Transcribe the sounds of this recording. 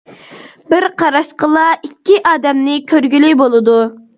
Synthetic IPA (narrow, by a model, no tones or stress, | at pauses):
bɪɾqʰɑɾɑʃqəlˠɑikʲːiʔɑːd̪ɛmnɪkʲʰøɾɡʲylibolˠɨd̪u